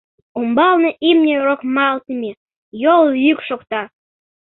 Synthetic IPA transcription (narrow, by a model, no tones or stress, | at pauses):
ombɑlnɤʔimnʲeɾokmɑlt̪əmʲe | joljykʃokt̪ɑ